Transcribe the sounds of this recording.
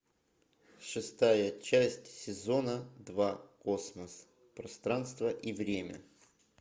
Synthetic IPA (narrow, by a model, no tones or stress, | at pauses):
ʂɨst̪ajət͡ɕæsʲtʲsʲɪzo̞nəd̪vakosməs | pɾɐst̪ɾanst̪vəʔivɾʲemʲə̰